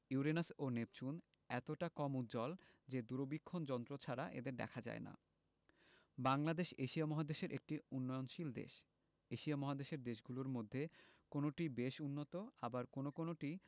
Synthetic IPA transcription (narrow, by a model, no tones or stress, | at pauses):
iuɾenasonep̚t͡ɕun | ɛt̪oʈakɔmut̪d͡ʑɔld͡ʑed̪uɾobikʰːond͡ʑɔnt̪ɾot͡ɕʰaɾaʔḛd̪eɾd̪ɛ̰kʰad͡ʑa̰ena̰ | baŋlad̪eʃeʃiamɔɦad̪eʃeɾʔek̚ʈiunːɔonʃild̪ḛʃ | eʃiamɔɦad̪eʃeɾd̪eʃɡuloɾmod̪ʱːekonoʈibeʃunːot̪oabaɾkonokonoʈi